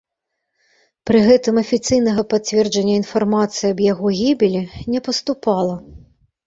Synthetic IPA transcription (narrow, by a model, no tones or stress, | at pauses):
pɾɨɣɛt̪ɨmɐfʲit̪sɨjnɐɣɐpat͡sʲvʲɛrd͡ʒɐnʲːɐinfarmat̪sɨjiɐbjaɣɔɣʲibʲilʲinʲɛpɐst̪upɑlˠɐ